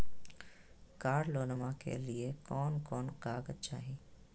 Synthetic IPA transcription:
kaːɾloːnəmãkḛliekɔːnkɔːnkaːɡət͡ʃaːɦiː

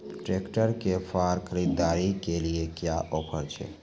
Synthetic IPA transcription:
ʈɾekʈəɾkepʰaːɾkʰəɾid̪ːaːɾikeliekjaʔɔːpʰəɾt͡ʃʰḛ

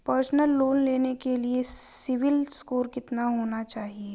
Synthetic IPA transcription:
pəɾsnəlːoːnleːnekeliesɪʋɪlskoːɾkɪt̪naɦoːnat͡ʃaːɦie

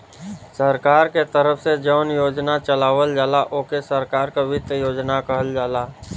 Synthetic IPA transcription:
səɾkaːɾket̪əɾəfsed͡ʒəʊnjoːd͡ʒnat͡ʃəlaːʋəld͡ʒaːlaʔoːkesəɾkaːɾkaʋɪt̪joːd͡ʒnakəɦəld͡ʒaːlaː

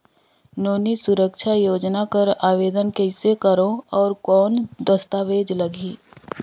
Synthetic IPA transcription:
noːnisʊɾəkʃʰajoːd͡ʒnakəɾaːʋeːd̪ənkeɪsekəɾõɔːɾkɔːnd̪əst̪aːʋeːd͡ʒlɐɡʱiː

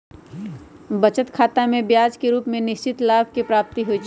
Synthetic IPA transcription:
bɐt͡ʃət̪kʰaːt̪amẽbjaːd͡ʒkeɾuːpmẽnɪʃt͡ʃɪt̪laːbʱkepɾaːp̚t̪iɦoit͡ʃʰ

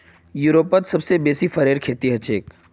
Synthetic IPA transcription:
juːɾoːpət̪sɐbsebeːsifɐɾeːɾkʰeːt̪iɦɐt͡ʃeːk

